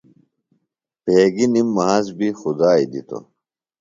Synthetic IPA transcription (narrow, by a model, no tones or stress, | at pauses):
peːɡinimːɐɦasbixud̪aːid̪ḭt̪ʰo̰